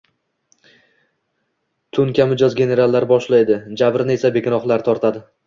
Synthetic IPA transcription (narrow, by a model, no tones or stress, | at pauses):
t̪ʰʊnkʲʰamɪd͡ʒɒzɡʲe̞ne̞ɾalˠːaɾbɒʃlajd̪ɪd͡ʒabɾɪne̞sabe̞kʲʰɪnɒχlˠaɾt̪ʰɒɾt̪ʰad̪ɪ